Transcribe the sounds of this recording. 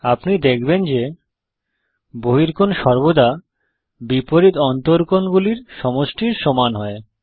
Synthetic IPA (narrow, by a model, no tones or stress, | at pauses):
apnid̪ekʰbend͡ʑe | boɦiɾkonʃɔɾbod̪a | bipoɾit̪ɔnt̪oɾkonɡuliɾʃɔmoʃʈiɾʃomanɦɔe